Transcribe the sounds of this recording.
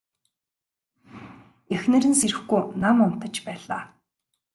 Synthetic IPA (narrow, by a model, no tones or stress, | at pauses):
axnɘ̆ɾɘ̆nseɾɘ̆xɡujnamʊn̥t̪ə̆t͡ɕpæːɮaː